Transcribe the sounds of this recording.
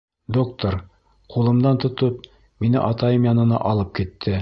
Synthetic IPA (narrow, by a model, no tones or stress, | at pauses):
d̪okt̪oɾ | qulˠɤ̆md̪ɑnt̪ŏt̪ɤp̚ | minɘ̰ʔɑt̪ɑjɤmjɑnɤ̆nɑ̰ʔɒlˠɤp̚kit̪ʰːɘ